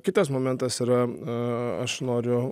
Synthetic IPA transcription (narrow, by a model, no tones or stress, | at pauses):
kʲɪt̪ɐsmoːmʲɛnt̪ɐsiːɾɐ | ɐ̰ʃnoːɾʲʊ